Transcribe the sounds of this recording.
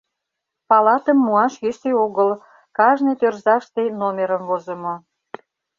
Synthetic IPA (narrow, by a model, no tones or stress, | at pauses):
pɑlɑt̪əmːuɑʃjyseoɣəl | kɑʒnet̪ørzɑʃt̪enomʲeɾəmvozəmo